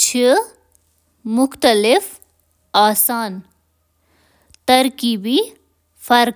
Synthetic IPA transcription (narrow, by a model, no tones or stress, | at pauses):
t͡ʃʰi | mʊxt̪əlɪf | aːsaːn | t̪ɐɾkiːbi | fɐɾ